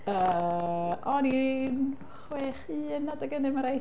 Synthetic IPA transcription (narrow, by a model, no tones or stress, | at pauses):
əːʔɔnin | χweːχiːənːadəɡənɛməɾaj